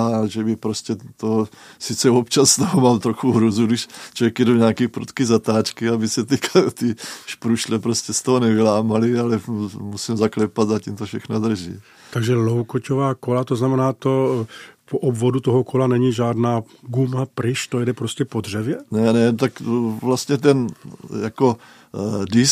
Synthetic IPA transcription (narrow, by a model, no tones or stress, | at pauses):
aʒɛbɪpɾoscɛt̪o | sit͡sɛopt͡ʃasːt̪oɦomaːmt̪ɾoxuɦɾuzudiʃt͡ʃoʋjɛkjɛdoɲaːkiːpɾṵt̪kizat̪aːt͡ʃkiabisɛt̪ikt̪iʃpɾuʃlɛpɾoscɛst̪oɦonɛvilaːmalialɛmusimzaklɛpad̪zaciːmt̪ofʃɛxnod̪r̩ʒḭː | t̪aɡʒɛlowkocovaːkolat̪oznamɛnaːt̪opoʔobvodut̪oɦokʰolanɛɲiʒaːdnaː | ɡumapɾɪʃt̪ojɛdɛpɾoscɛpod̪r̝ɛvjɛnɛnɛt̪akvlast̪ɲɛt̪ɛnjako | dɪs